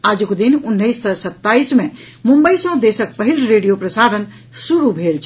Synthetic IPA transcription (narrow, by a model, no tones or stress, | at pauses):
aːd͡ʒukd̪inʊnːəɪsːəsət̪ːaːismẽ | mʊ̃mbəisə̃d̪eːsək̚pəɦilɾeːɖijopɾəsaːɾən | suɾubʱeːlt͡ʃʰ